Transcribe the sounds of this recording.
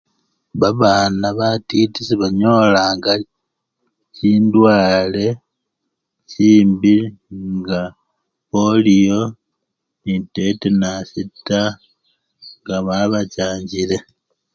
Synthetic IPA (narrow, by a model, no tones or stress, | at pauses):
βaβaːnaβatitisiβaɲo̞ːlaːŋɡa | ciːndwaːle̞ | ciːmbiŋɡa | polijo̞ | nitetenasitːa | ŋɡaβaβacaːɲɟile̞